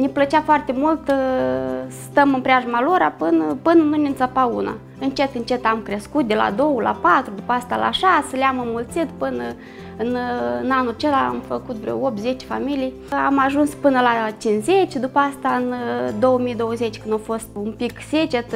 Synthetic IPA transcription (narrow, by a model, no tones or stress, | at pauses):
nʲeplət͡ʃafoart̪emult̪ | səst̪əmɨnpɾʲeaʒumaloɾapɨnəpɨnənunʲensəpauna̰ | ɨnt͡ʃe̞t̪ɨnt͡ʃe̞t̪amkɾeskut̪̚d̪ʲela̰d̪o̞wəla̰pat̪ɾud̪upəast̪ala̰ʃasəleamɨmːult̪sit̪pɨnə | ɨnnanult͡ʃelaa̰mfəkut̪vɾʲo̰op̚t̪ze̞t͡ʃe̥familij | amaʒunspɨnəlat͡ʃinzet͡ʃʲd̪upəast̪aɨnd̪o̞wəmijd̪o̞wəzet͡ʃʲkɨnd̪ofo̞st̪umpikset͡ʃet̪